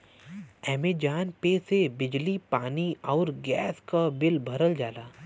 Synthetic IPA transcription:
ɛːmed͡ʒaːnpesebɪd͡ʒlipaːniɔːɾɡɛːskabɪlbʱɐɾəld͡ʒaːlaː

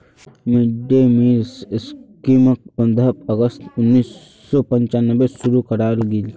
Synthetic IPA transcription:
mɪɖemisskimək̚pə̃nd̪əəɡəst̪ʊnːiːsː | ɔpə̃ɲt͡ʃanːəbesʊɾukəɾaːlɡil

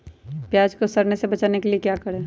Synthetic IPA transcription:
pjaːd͡ʒkosɐɾnesebɐt͡ʃaːnekeliekjaːkɐɾẽː

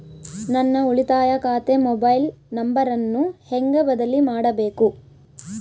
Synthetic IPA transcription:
nɐnːɐuɭit̪aːjɐkaːt̪emɔbɐjlnɐmbɐɾɐnːuheŋɡɐbɐd̪ɐlimaːɽɐbe̞ːku

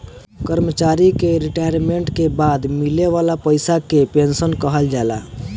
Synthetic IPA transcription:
kəɾmət͡ʃaɾikeɾiʈajɾmeɳʈkebad̪mileʋalapəjsakepensənkəɦəld͡ʒala̰

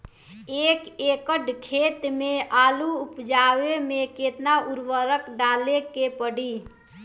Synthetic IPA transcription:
eːkeːkəɖkʰeːt̪mẽʔaːluʊpd͡ʒaːwemẽkeːt̪naʊɾwəɾəkɖaːlekepəɽi

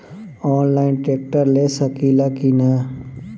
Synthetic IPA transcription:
ɔːnlaːɪnʈeːk̚ʈəɾleːsəkiːlaːkinaː

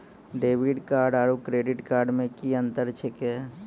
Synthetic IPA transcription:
ɖeːʋiɖkaːɾɖaːɾukɾeːɖɪʈkaːɾɖmẽkiə̃nt̪əɾt͡ʃʰeke

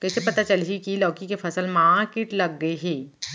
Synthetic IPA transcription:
kɛːsepɐt̪at͡ʃɐlɦikilɔːkikefʰɐsəlmaːɾkɪːʈlɐɡːɐeɦɛː

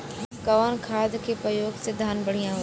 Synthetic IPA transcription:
kɐʋaːnkʰaːd̪ʱkʰeːpɾɐjoːɡsɪd̪ʱaːnbəɽijãɦo

